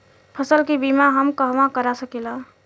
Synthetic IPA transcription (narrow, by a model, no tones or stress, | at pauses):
pʰəsəlkibimaɦəmkəɦʋãkəɾasəkilã